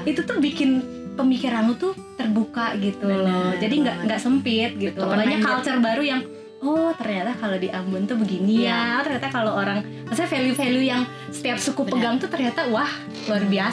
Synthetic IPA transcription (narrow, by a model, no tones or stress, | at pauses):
it̪ut̪ʊhbikɪn | pəmikiɾanut̪ʊ | t̪ərbukaʔɡit̪ulɔd͡ʒadiŋɡaʔŋɡaʔsəmpɪt̪̚ɡit̪ulbaaɲakːalt͡ʃərbaɾujaŋ | ɔt̪ərɲat̪akalodiʔambʊnt̪ubəɡinijaat̪ərɲat̪akaloʔoɾaŋ | masafelufelujaŋ | sə̥t̪iap̚sukupəɡaŋt̪ut̪ərɲat̪awah | luarbia